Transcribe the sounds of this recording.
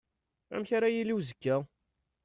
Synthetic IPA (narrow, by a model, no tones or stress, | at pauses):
æ̰mçaɾajiliwzəkːæ